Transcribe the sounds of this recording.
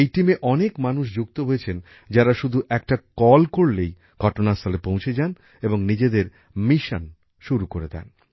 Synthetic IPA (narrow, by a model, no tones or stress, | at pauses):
ejʈimeʔɔnekmanuʃ̬d͡ʑuk̚t̪oɦojet͡ɕʰen | d͡ʑaɾaʃud̪ʱuʔɛkʈakɔlkoɽlej | ɡʱɔʈonast̪ʰalepõw̃t͡ɕʰed͡ʑan | eboŋnid͡ʑed̪eɾ | miʃan | ʃuɾukoɾed̪ɛ̰n